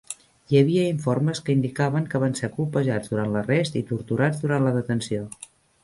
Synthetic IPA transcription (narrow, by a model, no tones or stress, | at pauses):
jəβiəiɱforməskəind̪ikaβəŋkəβansekulˠpəʒad͡zðuɾant̪lərest̪ḭt̪uɾt̪uɾad͡zd̪uɾanləðət̪ənsio